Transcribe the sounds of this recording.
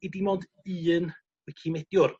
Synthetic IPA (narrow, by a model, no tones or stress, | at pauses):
idimɔd | ɨːn | wɛkʰimɛd̥jʊr